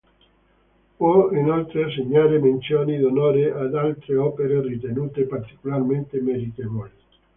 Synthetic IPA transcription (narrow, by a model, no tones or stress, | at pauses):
oenɔlt̪ɾeseɲaɾemẽnsjonid̪onɔɾeʔad̪alt̪ɾeɔpeɾerit̪enut̪epaɾt̪i̥kulaɾmẽnt̪emeɾit̪eβoli